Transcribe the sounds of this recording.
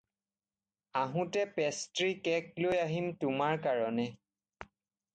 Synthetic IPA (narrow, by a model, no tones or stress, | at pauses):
aɦʊ̃tɛpɛstɹikɛk̚lojaɦimtʊmaɹkaɹɔnɛ